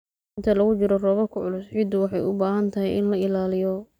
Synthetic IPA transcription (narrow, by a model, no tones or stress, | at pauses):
ɪnt̪ʰɐlɐɣʊt͡ʃɪɾɔrɔːβɐkʰʊʕʊlʊsʕɪd̪ʊwɑħɑjʊbaːɦɐnt̪ʰɐɦɛjʔɪ̰nlɐɪlaːlɪjɔ